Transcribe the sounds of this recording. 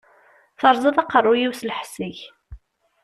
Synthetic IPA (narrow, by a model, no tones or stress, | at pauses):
θəɾˤzˤɑðˤɑqərˤːʊjiwslħsiç